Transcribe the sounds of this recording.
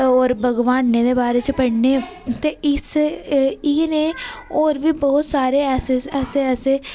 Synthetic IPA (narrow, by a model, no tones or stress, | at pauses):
oːɾbʱəɡʋaːnːeːd̪eːbaːɾeːt͡ʃpəɽneː | t̪eːɪs | iːneːoːɾʋiːbɔːt̪saːɾeːɛːseːɛːseːɛːseː